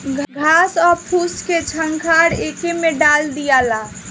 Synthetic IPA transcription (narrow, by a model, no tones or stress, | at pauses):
ɡʱɡʱasɔɾpʰusket͡ʃʰəŋkʰaɾekemeɖald̪ijala